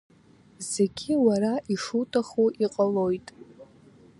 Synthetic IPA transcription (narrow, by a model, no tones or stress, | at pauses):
z̥e̞ɡʲiwaɾaʔiʂutʰʼaχuʔiqʼalo̞jtʼ